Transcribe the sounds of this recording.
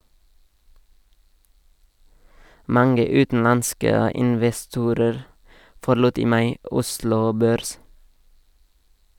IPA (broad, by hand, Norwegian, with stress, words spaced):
ˈmɑŋə ˈʉːtn̩ˌɑnskə ɪnʋɛˈstuːɾəɾ fɔɾˈluːt ˈiː ˈmɑɪ ˈʊslʊ ˈbøːɾs